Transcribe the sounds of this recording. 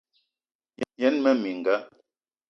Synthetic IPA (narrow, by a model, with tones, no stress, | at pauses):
jɛ˨˦nmɛ˦mi˨ŋ̩˨ɡa˦